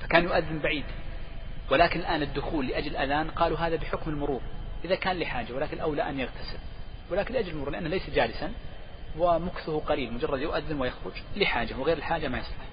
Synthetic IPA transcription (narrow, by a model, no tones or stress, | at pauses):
fḁkaːnjʊʔaðːɪmbaʕiːd̪ | wɪlaːkɪnɪlʔaːnɪd̪ːʊxuːlːɪʔad͡ʒlɪlʔaðaːnqɑːluɦaːðabɪħʊkmɪlmʊɾuːɾʔɪðakaːnlɪħaːd͡ʒawɪlaːkɪnɪlʔawlaʔanjaɣt̪ʰasɪlwɪlaːkɪnlɪʔad͡ʒlɪlmʊɾuːɾlɪʔa̰nːahlejsad͡ʒaːlɪsan | wɪmʊkθʊhʊqɑliːlmʊd͡ʒɑrˤːɑd̪jʊʔaðːɪnwɪjɑxɾʊd͡ʒlɪħaːd͡ʒawɪɣeːɾɪlħaːd͡ʒamajɑsˤlʊħ